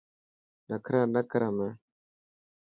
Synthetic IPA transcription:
nakəɾanakəɾamɛ

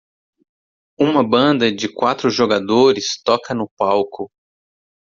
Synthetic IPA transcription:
ũmɐbɐ̃nd̪ɐd͡ʒɪkwat̪ɾʊʒoɡad̪oɾɪst̪ɔkɐnʊpawkʊ

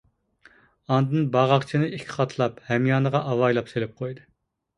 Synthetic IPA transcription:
ɑnd̪ɨnbɑʁɑqt͡ʃʰinɨikʲʰːχɑt̪ʰlˠɑphɛmjɑːnəʁɑʔɑwɑjlˠɑpselɪp̚qʰojd̪ɨ

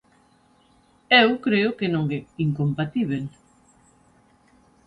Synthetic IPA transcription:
ewkɾeʊkenõŋeiŋkompat̪iβ̞el

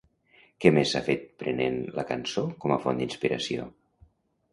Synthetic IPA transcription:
kɛmesafet̪̚pɾənenləkənsokɔməfond̪inspiɾə̰sio̰

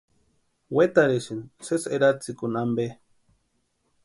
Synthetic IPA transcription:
wet̪aɾeʃinseseɾat͡sikunambe

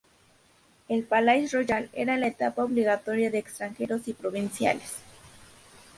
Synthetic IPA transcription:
elpalajsroʝalḛɾalaet̪apaoβliɣat̪o̞ɾjaðeːkst̪ɾaŋxe̞ɾosipɾo̞βinsja̰les

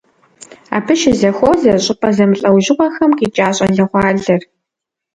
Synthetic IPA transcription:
a̰ːpʰɨʃɪzɐxʷɔzɐɕʼɪpʼɐzɐmɨɬʼɐwʒɪʁʷɔxɐmkiːt͡ʃʼaːɕʼɐɮɐʁʷɑːɮɐr

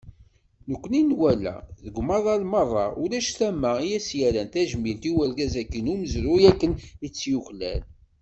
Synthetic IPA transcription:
nəkʷːəninwælæ̰ðəɡʷmɑðˤɑlmərˤːɑ̰ʔʊlæʃθæmːæjæsjæɾænt̪æʒmint̪iwæɾɡæzækːinuməzɾujækːənit͡sːjuçlæ̰l

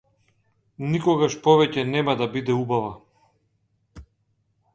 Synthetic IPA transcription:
nikɔɡaʃpɔvɛcɛnɛmad̪abid̪ɛubava

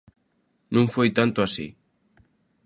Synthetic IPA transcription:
nũŋfojt̪ant̪ʊasḭ

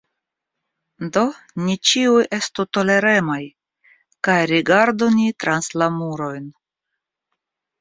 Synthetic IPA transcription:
do̞ | nit͡ʃiuje̞stut̪o̞le̞ɾe̞maj | kajɾiɡaɾd̪unit̪ɾanslamuɾo̞jn

